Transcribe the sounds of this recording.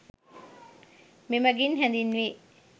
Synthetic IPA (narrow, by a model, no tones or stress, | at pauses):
mimɐɡinɦɛnd̪inːʋi